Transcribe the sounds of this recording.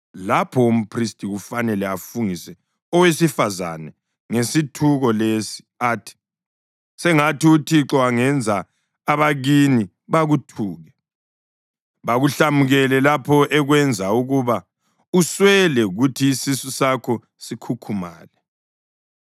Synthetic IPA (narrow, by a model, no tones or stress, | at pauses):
lapʰɔum̩pʰristʼiɣufanɛlɛafuŋisɛ | ɔwesifaza̰nɛ | ŋesitʰuɣɔlesi̥ | aːtʰi̥ | sɛŋatiutʰiǁɔaŋɛnd͡zʱa | aβaɣini | βaɣutʰuːɣɛ | βaɣuɬamuɣɛlɛlapʰɔʔɛɣwɛnd͡zʱauɣuβa | uswɛlɛɣutʰiːsisusakʰɔ | sikʰukʰuma̰ːlɛ